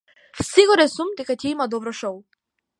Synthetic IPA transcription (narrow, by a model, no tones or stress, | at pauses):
fsiɡɔɾɛsumd̪ɛkacɛimad̪ɔbɾɔʃɔw